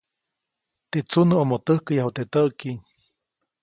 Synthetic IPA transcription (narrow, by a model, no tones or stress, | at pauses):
t̪et͡sunəomot̪əhkəjaɦut̪et̪əʔkiɲ